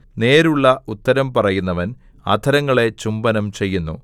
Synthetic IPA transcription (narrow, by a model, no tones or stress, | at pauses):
ne̞ːɾuɭːɐut̪ːɐɾɐmpɐrɐjunːɐʋɐn | ɐ̰d̪ʱɐɾɐŋːɐɭe̞t͡ɕumbɐnɐmt͡ɕe̞jːunːṵ